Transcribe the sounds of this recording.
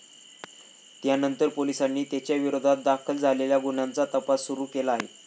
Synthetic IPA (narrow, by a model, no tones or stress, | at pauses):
t̪janənt̪əɾpolisanːiːt̪jat͡ɕjaʋiɾod̪ʱat̪̚d̪akʰəld͡zaleljaɡuɳant͡sat̪əpasːuɾuːkelaːɦe